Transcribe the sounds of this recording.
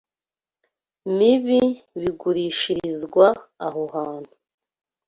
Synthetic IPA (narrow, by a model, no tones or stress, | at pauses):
miβi | βiɡuɾiːʃiɾizɡwaːɦoɦaːn̥hu̥